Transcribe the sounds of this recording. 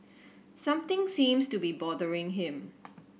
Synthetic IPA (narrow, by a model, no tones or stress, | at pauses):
sãmt̪ɪ̃ŋsĩːmstubibɔdəɹɪ̃ŋɦɪ̃m